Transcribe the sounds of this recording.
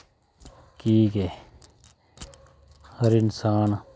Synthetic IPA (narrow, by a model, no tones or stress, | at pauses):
kiːke | hɐɾɪnsaːn